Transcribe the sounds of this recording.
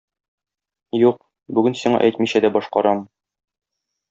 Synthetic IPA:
juq | bʉɡɘnsiɴɑ̰ʔæjt̪miɕæd̪æbɒʃqɑɾɑm

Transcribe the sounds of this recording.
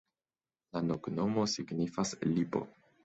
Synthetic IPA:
lanokno̞mo̞siɡnifaslipo̞̰

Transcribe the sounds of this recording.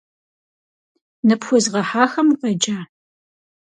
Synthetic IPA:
nɨpxʷʊzʁɐħaːxɐmqɐd͡ʒaː

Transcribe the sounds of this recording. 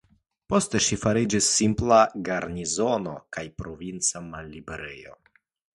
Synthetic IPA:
po̞ste̞ʃifaɾid͡ʒisːimplaɡaɾnizo̞no̞̰kajpɾo̞vint͡samalːibe̞ɾe̞̰jo̞̰

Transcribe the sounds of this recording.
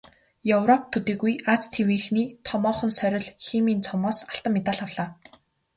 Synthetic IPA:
jewrɔp̚t̪ʰɵt̪iːɣujat͡st̪ʰewiːxniːt̪ʰɔmɔːχɞ̆nsœɾʲɪ̆ɮximiːnt͡sʰɔmɔːsaɬt̪ə̆mːet̪aːɮawɮ̥aː

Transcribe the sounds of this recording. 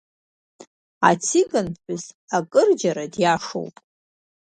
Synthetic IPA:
a̰t͡sʰikʼɨnħʷʊz | akʼɨrd͡ʒaɾadjaʂo̰wpʼ

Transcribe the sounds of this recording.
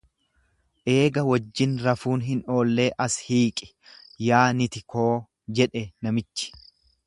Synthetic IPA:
ʔe̞ːɡɐwɐd͡ʒːɪnɾɐfuːnɦɪno̞ːlːe̞ːʔɐshiːkʼɪ̥ | jaːnɪt̪ɪkʰo̞ː | d͡ʒɛᶑɛnɐmɪt͡ʃːɪ̥

